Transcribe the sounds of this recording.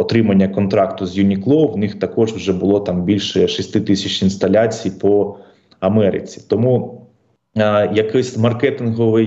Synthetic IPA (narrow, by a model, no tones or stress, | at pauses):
ɔt̪ɾɪmɐnʲːɐkɔnt̪ɾɑkt̪ʊzjʊnʲiklˠɔwnɪxt̪ɐkɔʒwʒɛbʊlˠɔt̪ɑmbʲilʲʃɛʃisʲt̪ɪt̪ɪsʲɐt͡ʃʲinst̪ɐlʲat͡sʲijpɔ | ɐmɛɾɪ̰t͡sʲi̥t̪ɔmu | jɐkɪsʲmɐrkɛt̪ɪnɦɔʋɪj